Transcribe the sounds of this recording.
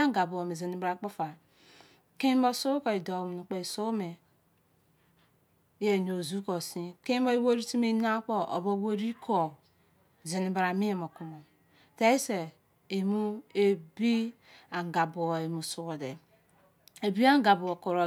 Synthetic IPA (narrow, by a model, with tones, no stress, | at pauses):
a˦ŋ˦ɡa˨bo˨o˨me˨ze˨ni˨ba˨˦k͡po˦fa˨ | ke˦bo˦so˦ko˨i˨do˨m˨u˨k͡pe˨i˨so˦me˨˦ | e˨no˨zu˦ko˨sĩ˦ke˦bo˦i˦wo˦ɾi˦ti˦me˦na˦k͡po˦ʔo̰˨bo˦wo˦ɾi˦kʰo˨ | ze˨ni˨ba˨ɾa˨mi˦e˨mo˨ku˨mo˨ | te˦i˦se˨ | e˨mu˦e˦bi˦ | a˨ŋ˨ɡa˨bo˨e˨mu˨su˨wo˨de˨ | e˨bi˦a˦ŋ˦ɡa˨bo˨o˨ko˨ɾo˨